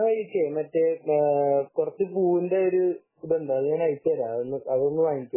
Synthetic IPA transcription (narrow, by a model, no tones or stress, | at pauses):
ɐit͡ɕejmɐtːe | kurɐt͡ɕːɨpuːindeoɾu | uɽend̪aɐðiɲaːnɐjit͡ɕːɐɾaonːɨɐðonːɨʋaːŋikʲːu